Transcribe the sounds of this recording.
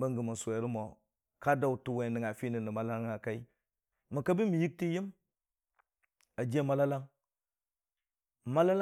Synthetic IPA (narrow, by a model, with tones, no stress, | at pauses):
ba˦ŋɡə˨ma˨sʷe˨˦ɾi˦mo˨ | ka˦da˦u˨tu˨we˨ni˨ŋa˨fi˦ni˨ni˨ma˦la˦ŋa˨ka˦i˦ | mi˨ka˦bi˦mi˨ji˦k̚ti˦ji˦m | a˨d͡ʒe˦ma˦la˦la˦ŋ | ma˦la˦l